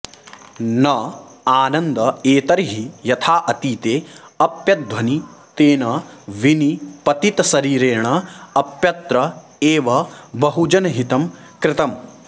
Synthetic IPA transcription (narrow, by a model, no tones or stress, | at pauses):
nɐaːnɐnd̪ɐeːt̪ɐɾɦijɐt̪ʰaːʔɐt̪iːt̪eːɐpjɐd̪ʋɐnit̪eːnɐʋinipɐt̪it̪ɐsɐɾiːɾeːɳɐɐpjɐt̪ɾɐ | eːʋɐbɐɦud͡ʒɐnɐɦit̪ɐm | kɾɪt̪ɐm